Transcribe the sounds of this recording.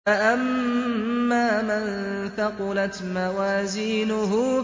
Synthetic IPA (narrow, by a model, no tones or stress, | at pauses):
aʔamː | aːmanθɑqʊlat̪mawaːziːnʊɦʊ